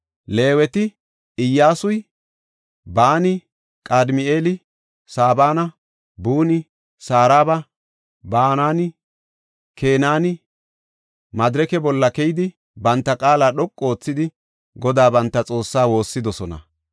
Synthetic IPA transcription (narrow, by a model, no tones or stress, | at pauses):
le̞ːwɛt̪ɪ | ɪjːaːsʊj | baːnɪ | kʼad̪mɪeːlɪ | saːbaːnɐ | buːnɪ | saːɾaːbɐ | baːnaːnɪ | kʰe̞ːnaːnɪ | mɐd̪ɪɾɛkɛbɔlːɐkɛjɪd̪ɪ | bɐnt̪ːɐkʼaːlaːɗɔkʼːo̞ːt͡sːɪd̪ɪ | ɡɔd̪aːbɐnt̪ːɐt͡sʼo̞ːsːaːwo̞ːsːɪd̪ɔsɔnɐ̰